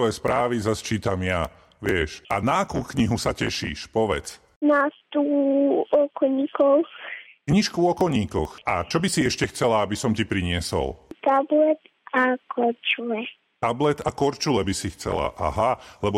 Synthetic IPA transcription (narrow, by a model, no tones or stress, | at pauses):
ɔjɛspɾaːʋizast͡ʃiːt̪amja | ʋɪɛʃʔa̰naakuːkɲiɦusacɛʃḭːʃpɔʋɛ̰t͡s | nast̪u | ɔkɔɲiːkɔʊ | kɲiʃkuɔkɔlɲiːkɔ̰xat͡ʃɔbisiɛʃcɛxt͡sɛlaabisɔmcipɾiɲɪɛsɔ̰lt̪ablɛt̪ | akʰɔɾt͡ʃulɛ | t̪ablɛt̪akɔɾt͡ʃulɛbisixt͡sɛ̰la̰ʔa̰ɦalɛbɔ